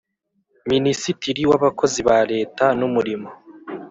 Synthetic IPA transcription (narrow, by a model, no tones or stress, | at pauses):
minisitiɾiwaβako̞ziβaɾe̞ːtanumuɾimo